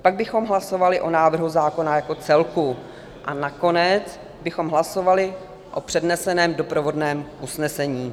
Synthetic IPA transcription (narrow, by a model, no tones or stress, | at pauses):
paɡ̚bɪxo̞mɦlaso̞valɪʔo̞naːvr̩ɦuzaːko̞najako̞t͡sɛlku | ʔanako̞nɛt͡s | bɪxo̞mɦlaso̞valɪ | ʔopr̝̥ɛdnɛsɛnɛːmdo̞pɾovo̞dnɛːmʔusnɛsɛɲiː